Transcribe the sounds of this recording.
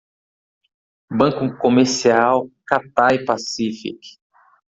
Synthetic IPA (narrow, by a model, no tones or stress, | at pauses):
bɐ̃kũkomeɾsiawkat̪aipasifḭk